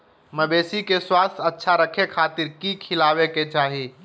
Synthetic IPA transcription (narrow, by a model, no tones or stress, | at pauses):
məbesikeswast̪ʰətːʃʰaɾəkʰekʰat̪iɾkikʰilabeket͡ʃaːɦi